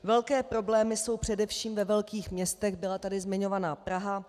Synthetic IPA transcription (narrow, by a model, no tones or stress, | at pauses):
vɛlkɛːpɾo̞blɛːmɪso̞wpr̥ɛdɛfʃiːmvɛvɛlkiːxmɲɛst̪ɛɣbɪlat̪adɪzmɪɲo̞vanaːpɾaɦa